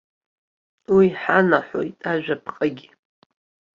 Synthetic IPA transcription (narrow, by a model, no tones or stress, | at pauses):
wiħanaħo̰jtʼaʒᶣapʰqʼaɡʲi